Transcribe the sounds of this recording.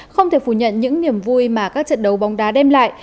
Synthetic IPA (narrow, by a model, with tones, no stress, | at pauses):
xə˧wŋ͡mt̪ʰe˧˩fu˧˩ɲə̰˧˨nɲɨ̰˧˥ŋni˨˧˩əmvu˧jmaː˨˩kaː˦˥k̚t͡ɕə̰˧˨nɗə˨˦wɓa˨˦wŋ͡mɗaː˨˦ɗɛ˧mla̰ː˧˨j